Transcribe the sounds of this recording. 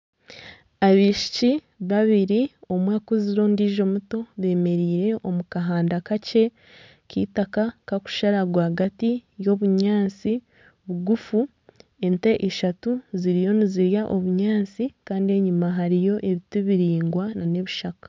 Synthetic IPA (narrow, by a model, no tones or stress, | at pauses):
aβiːʃi̥ci | βaβiɾio̞mwaːkuziɾo̞ːndiːʒo̞muto̞βe̞ːme̞ɾiːɾe̞ʔo̞mukaɦaːndakace̞ | kḭːtakakaku̥ʃaɾaɡwahaɡatijo̞βuɲaːt͡si | βuɡufu | e̞nte̞ʔeʃatuziɾijo̞niziɾjaʔo̞βuɲaːnt͡sikaːndie̞ɲumaɦaɾijo̞ʔe̞βituβiɾiːŋɡwanane̞βiʃakḁ